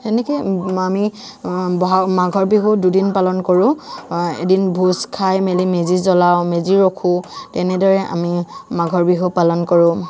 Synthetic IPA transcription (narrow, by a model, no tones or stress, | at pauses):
tɛnɛkɔami | bɔɦamaɡʱɔɹbiɦududinpalɔnkoɹʊ̃ḛdinbʱuskʰajmelimezizɔlawmeziɹokʰʊtɛnɛdɔɹɛʔa̰mimaɡʱɔɹbiɦupalɔnkɔɹʊ̃